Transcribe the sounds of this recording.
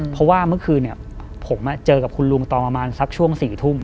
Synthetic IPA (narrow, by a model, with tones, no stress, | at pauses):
pʰɔ˦˥waː˥˩mɯ˥˩ɐkʰɯː˧ni˥˩ɐ | pʰo˩˦ma˧˩t͡ɕɤː˧ka˨˩p̚kʰu˧nlu˧ŋt̪ɔː˨˩pa˧maː˧nsa˦˥k̚t͡ɕʰu˥˩əŋsiː˨˩t̪ʰu˥˩m